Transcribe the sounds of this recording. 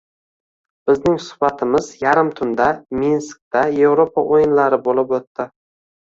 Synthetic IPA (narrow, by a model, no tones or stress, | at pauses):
b̥ɪznɪŋsʊ̥hbat̪ʰɪmɪzjaɾɪmt̪ʰʊnd̪aminsk̚t̪aje̞vɾopʰaʔojɪnlaɾɪbolˠɪpot̪ːɪ